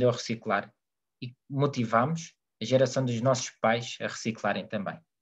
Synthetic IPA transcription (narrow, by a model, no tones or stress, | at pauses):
d̪eɐʁɨsiklˠaɾ | imut̪ivamuʃ | ɐʒɛɾɐsɐ̃w̃d̪uʒnɔsu̥ʃpajʃɐ̰ʁɨsiklˠaɾɐ̃j̃t̪ɐ̃mbɐ̰̃j̃